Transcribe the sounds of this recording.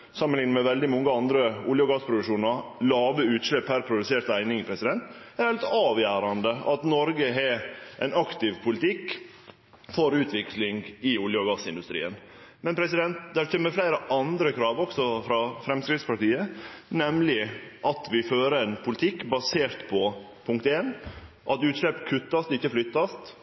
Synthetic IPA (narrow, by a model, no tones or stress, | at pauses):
sɑmənlɪŋnəmɛʋɛld̪ɪmɔŋːəɑnd̪ɾəʊljəɔɡɑːspʰɾʊd̪ʉʂuːnɑɾlɑːʋəʉːt̪ʃlɛpʰːæɾpʰɾʊd̪ʉseːɾt̪æɪnɪŋɪpʰɾɛsɪd̪ɛnt̪ | æɾælɪt̪ɑːʋjæːɾɑnd̪əɑt̪nɔɾɡəɦɛʔæɪnɑkt̪ɪʋpʰʊlɪt̪ʰɪkː | fɔɾʉːt̪ʰʋɪklɪŋɡɪʊljəɔɡɑsɪnd̪ʉst̪ɾḭːən | mɛnpʰɾɛs̬ɪd̪ɛnt̪d̪æɾçʰɛːmːəflæɪɾəʔɑnd̪ɾəkʰɾɑːʋɔksɔfɾɑfɾɛmskɾɪd̪spɑʈiːənɛmlɪʔɑt̪ʋɪføːɾəɛɪnpʰʊlɪt̪ʰɪkːbɑseːɾt̪pʰɔ | pʰʊŋk̚t̪eːn | ʔɑt̪ʉːt̪ʂlɛpkʰʉt̪ːɑst̪ɪçːəflʏt̪ːɑst̪